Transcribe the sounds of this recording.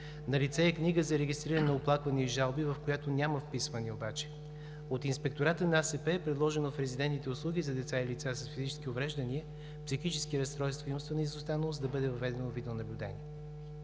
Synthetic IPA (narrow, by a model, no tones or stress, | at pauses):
nɐlit̪sɛɛkniɡəzɐɾɛɡʲist̪ɾiɾənɛnɐoplˠakvɐniiʒalˠbivɐfkojat̪onʲaməfpisvəniobat͡ʃɛ̥ | ot̪inspɛk̚t̪oɾat̪ənɐasɛpɛɛpɾɛd̪lˠɔʒɛnofɾɛzid̪ɛnt̪it̪ɛʊslˠuɡʲizɐd̪ɛt̪sailit̪sasɐsfizit͡ʃɛ̥skiovɾɛʒd̪əniə | psixit͡ʃɛskiəɾɐst̪ɾɔjst̪vəiumst̪vənəizost̪anəvˠosd̪ɐbɤd̪ɛvɐvɛd̪ɛnovid̪ɛonɐblʲʊd̪ɛ̰niə